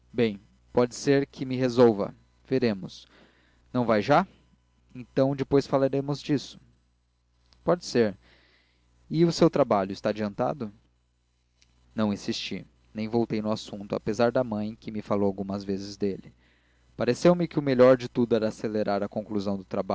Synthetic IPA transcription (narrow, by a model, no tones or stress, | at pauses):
bẽj̃ | pɔd͡ʒɪseɾkʰɪmɪɦezowvɐ̰ | v̥eɾẽmʊs | nɐ̃w̃vajʒa | ẽt̪ɐ̃w̃d͡ʒɪpojsfalaɾẽmʊzd͡ʒisʊ̥ | pɔd͡ʒɪseɾ | ɪʊsewt̪ɾabaʎʊɪst̪aːd͡ʒiɐ̃nt̪a̰d̪ʊ | nɐ̃w̃ĩsist͡ʃḭ | nẽj̃vowt̪ejnʊasũnt̪ʊa̰pezaɾd̪ɐmɐ̃j̃kɪmɪfalowawɡũmɐzvezɪzd̪elɪ | paɾesewmɪkɪʊmeʎɔɾd͡ʒɪt̪ud̪ʊɛɾɐaːseleɾaɾɐkõŋkluzɐ̃w̃d̪ʊt̪ɾaba